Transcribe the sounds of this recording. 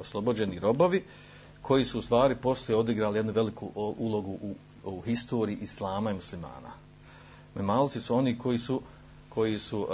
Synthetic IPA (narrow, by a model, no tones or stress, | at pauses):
oslˠo̞bod͡ʑe̞niɾo̞bo̞ʋi | kʰo̞jisuːst̪ʋaːɾipo̞slijeo̞d̪iɡɾaːlijenuʋe̞likʰuʔulˠo̞ɡuʔu | uhist̪o̞ːɾiiʔislˠaːmaimuslima̰ːna̰ | memaːlt̪sisuo̞niːkʰo̞jiːsu | kʰo̞jisu